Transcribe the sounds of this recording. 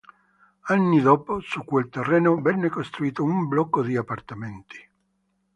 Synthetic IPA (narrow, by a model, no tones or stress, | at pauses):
anːid̪ɔːposukːwelt̪erːɛːnovɛnːekost̪ɾuiːt̪oumblɔkːod̪iapːart̪ament̪i̥